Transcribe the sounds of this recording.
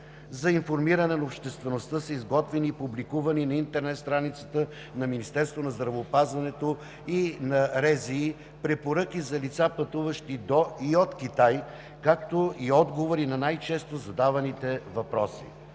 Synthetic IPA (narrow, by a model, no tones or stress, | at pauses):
zɐinfoɾmiɾɐnɛnɐopʃt̪ɛst̪vɛnost̪əsəizɡɔt̪vɛniːpublikuvɐninɐint̪ɛɾnɛt̪st̪ɾanit̪sə̥t̪ə | nɐminist̪ɛɾst̪vonɐzd̪ɾɐvoːpazvɐnɛt̪o | inɐɾɛziː | pɾɛpoɾək̟ʲizɐlit̪sapɐt̪uvəʃt̪id̪oiot̪kʲit̪aj | kak̚t̪oiɔd̪ɡovoɾinɐnajt͡ʃɛst̪ozɐd̪avɐnit̪ɛvɐpɾɔsḭ